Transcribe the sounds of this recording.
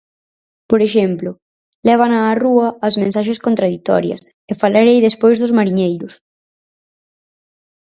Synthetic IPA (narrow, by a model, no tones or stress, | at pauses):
poɾeʃɛmplʊ | lɛβ̞ɐnɐːruɐːzmẽnsaʃ̬eskont̪ɾaðit̪ɔ̰ɾjɐ̰s | efalaɾejðespojzðʊzmaɾiɲejɾʊs